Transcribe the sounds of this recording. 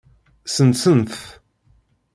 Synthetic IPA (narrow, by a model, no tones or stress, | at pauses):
sənsənθ